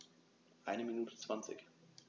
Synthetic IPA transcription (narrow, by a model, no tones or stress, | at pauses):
ʔaɪnəminuːtʰə̥t͡sv̥ant͡sɪ̰ç